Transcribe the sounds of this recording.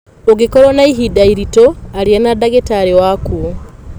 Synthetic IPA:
oɡekɔɾɔnaiɦidaiɾitɔaɾianadaɣetaɾewakuo

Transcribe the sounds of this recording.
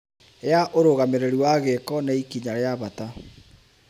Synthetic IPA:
ejaʔoɾoɣameɾeɾuwaɣekɔnaikiɲaɾeaβata

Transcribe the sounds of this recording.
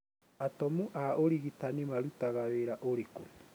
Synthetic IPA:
atɔmuʔaoɾiɣitanimaɾutaɣaweɾaʔoɾeko

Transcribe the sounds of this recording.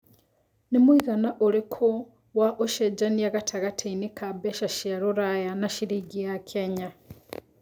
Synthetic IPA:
nimwiɣanaʔolikʰo | waʔoʃed͡ʒanijaɣatʰaɣatʰeinikʰabeʃaʃiaɾuɾajanaʃiɾiɟijakʰeɲa

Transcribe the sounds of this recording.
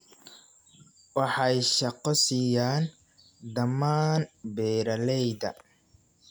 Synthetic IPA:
wɑħɑjʃɑqɔsiːjaːn | d̪ɐmaːnbɛːɾɐlɛjd̪ɐ̰

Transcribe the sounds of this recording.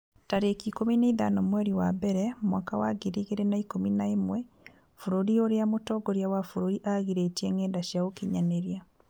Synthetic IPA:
taɾekikomineiða̰nɔmwɛɾiwabɛɾɛmwaːkawa̰ɡeɾiɣeɾenaikominaemwɛ | fuɾoɾioɾeamotɔːɡɔɾjawafuɾoɾiʔaɣiɾetɛŋɡɛːndaʃjaɣokiɲaneɾja

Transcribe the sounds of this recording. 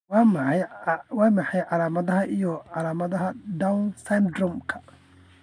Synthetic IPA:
wɑːmɑjwɑːmɑħɑjʕɑlaːmɐðɐɦɐʔijɔʕɑlaːmɐðɐɦɐɖawnsand̪rɔmkʰɐ̥

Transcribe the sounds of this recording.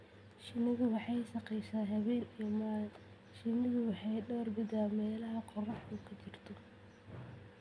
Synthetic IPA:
ʃɪnɪɣʊwɑħɑjʃɑqɛjʃaːɦɐβɛːnijɔmaːl | ʃɪnɪɣʊwɑħɑjɖɔːrɡɪd̪aːmɛːlɐɦɐqɔrɔħkʊkʰɐt͡ʃɪrt̪ʰɔ

